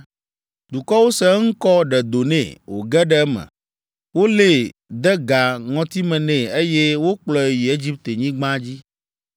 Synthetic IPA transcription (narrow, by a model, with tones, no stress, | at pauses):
d̪̥u˨kɔ˦wo˦sɛ˦ŋ̩˦kɔ˦ɖɛ˨d̪o˨nɛ̰̃˨wo̰˨ɡɛ˦ɖɛ˦ɛ˦mɛ̰̃˨ | wo˦le˦˨d̪ɛ˦ɡa˨ŋɔ̃˨t̪i˦mɛ̃˨nɛ̃˨e˦je˦wo˦k͡plɔ˦e˨ji˨e˦d͡ʑi˦p̚t̪e˨ɲĩ˦ɡ͡bã˦d͡ʑi˦